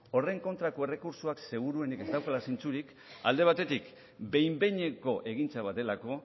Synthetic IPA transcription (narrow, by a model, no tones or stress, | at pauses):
o̞re̞ŋko̞nt̪ɾako̞e̞re̞kuɾsuakse̞ɣ̞uɾue̞nike̞st̪awkalasint͡suɾik | a̰ld̪e̞β̞at̪e̞t̪ik | be̞jmbe̞ɲe̞ko̞ʔe̞ɣ̞int͡saβat̪e̞lako̞